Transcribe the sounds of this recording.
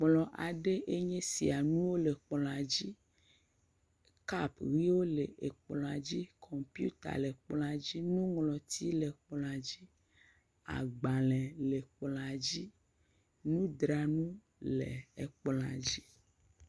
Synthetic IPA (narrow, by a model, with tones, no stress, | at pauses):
k͡plɔ̃˨ʔa˨ɖe˦ʔe˦ɲɛ̃˦si˨a˨nũ˦wo˦le˨k͡plɔ̃˨a˨d͡ʑi˦ | ka˦pɣi˦wo˦le˨ʔe˨k͡plɔ̃˨a˨d͡ʑi˦kʰɔ˨mpjṵ˦t̪a̰˨le˨k͡plɔ̃˨a˨d͡ʑi˦nũ˦ŋlɔ̃˨t̪ʰi˦le˨k͡plɔ̃˨a˨d͡ʑi˦ | a̰˨ɡ͡ba˨lɛ̃˨le˨k͡plɔ̃˨a˨d͡ʑi˦ | nũ˦d̪ɾa˨nũ˦ | lḛ˨e˨k͡plɔ̃˨a̰˨d͡ʑi˦